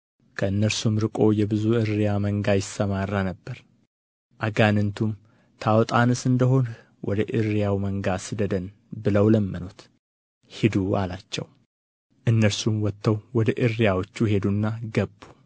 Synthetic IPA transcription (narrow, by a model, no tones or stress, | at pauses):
kʰəɨnːəɾsumɾɨkʼo̞jɛbɨzuɨɾːijaməŋɡajɪsːəmarːanəbːəɾ | ʔaɡanɨnt̪ʰum | t̪ʰawt̪ʼanɨsɨnd̪əɦo̞n | wʔɔ̰d̪əʔɨɾijawməŋɡasɨd̪əd̪ən | bɨləwləmːɨnot̪ | hɪd̪ualat͡ʃːɛ̰w | ʔɨnːəɾsumwɔt̪ʰːəwwɔd̪əʔɨrːijawot͡ʃːuɦe̞d̪unːaɡəbːu